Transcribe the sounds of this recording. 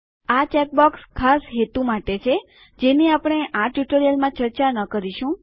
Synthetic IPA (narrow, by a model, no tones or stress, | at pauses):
at͡ʃɛk̚bɔkskʰasɦet̪umaʈet͡ʃʰe | d͡ʒeneapɽ̃eʔaʈjuʈoɾijəlmãt͡ʃəɾt͡ʃanəkəɾiʃũ